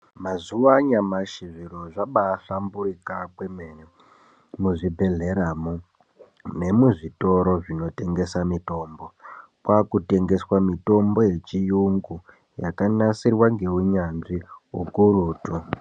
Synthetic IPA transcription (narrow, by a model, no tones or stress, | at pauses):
mazuʋaɲamaʃiʐiɾoʐaɓaːɬamburikakwemene | muʐibʱe̞ɮe̞ɾamu | ne̞muʐito̞ɾo̞ʐino̞te̞ŋɡe̞samito̞ːmbo̞ | kwakute̞ŋɡe̞swamito̞mbo̞je̞t͡ʃijuŋɡu | jakanasirwaŋɡe̞uɲanʐiɦukuruːtu